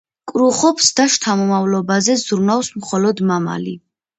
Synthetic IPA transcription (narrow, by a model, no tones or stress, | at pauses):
kʼɾuχɔpʰsd̪aʃt̪ʰamɔmavlɔbazɛzɾunafsmχɔlɔd̪mama̰li